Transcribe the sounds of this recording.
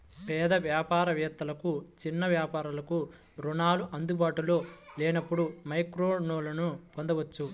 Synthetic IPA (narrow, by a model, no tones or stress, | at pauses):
pɛːd̪ɐʋjaːpaːɾɐʋɛːt̪ːɐlɐkut͡ʃinːɐʋjaːpaːɾɐlɐku | ɾunaːluʔɐnd̪ubaːʈulo̞ːleːnɐpːuɽumɐjkɾoːnoːlɐnupond̪ɐʋɐt͡ʃːu